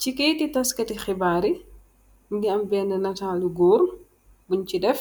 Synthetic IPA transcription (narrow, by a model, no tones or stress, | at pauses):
cikɛjtitɐskɐtixibaːɾi | mɡiɐmbɛːndɐnɐtaːluɡuːɾ | buɲcidɛf